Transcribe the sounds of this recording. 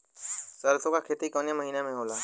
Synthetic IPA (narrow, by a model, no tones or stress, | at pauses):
səɾt̪ʰõkakʰeːt̪ikɔːnjaməɦiːnemẽɦoːlaː